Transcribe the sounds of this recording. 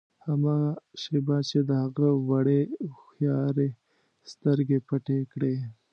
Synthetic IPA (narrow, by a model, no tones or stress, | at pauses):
hamɑʃebɑt͡ʃed̪əhaɣəwaɽexjɑɾe | st̪əɾɡepaʈekɽe